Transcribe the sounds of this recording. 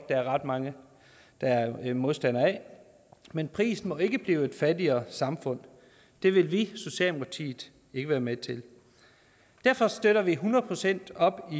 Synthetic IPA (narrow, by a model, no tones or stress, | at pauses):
d̥ɑ̈æɐʁɑ̈d̥mɑ̈ŋə | d̥ɑ̈æɐmo̝ðˠsd̥æn̰ɐɛ | menpʰʁḭːsn̩mɒ̽e̝ɡ̥əb̥liːʊe̝d̥fædiɐːsɑ̈mfɔ̽n̰ | d̥e̝ʋe̝lʋiso̝ɕiɛ̰ːlmɑt͡sʰḭ̥ː | e̝ɡ̥əʋæːɐmet͡sʰe̝l | d̥æɐfɒ̽sd̥øɾ̥ɐʋiɦunɐð̩ˠpʰʁo̝sen̰d̥ɒ̽b̥i